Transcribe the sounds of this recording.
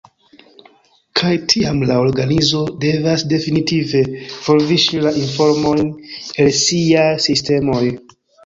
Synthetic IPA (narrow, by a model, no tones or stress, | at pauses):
kʰajtʰiamlaoɾɡanizo̞de̞vasde̞finitive̞foɾviʃilaʔinfo̞ɾmojnelsiasiste̞moj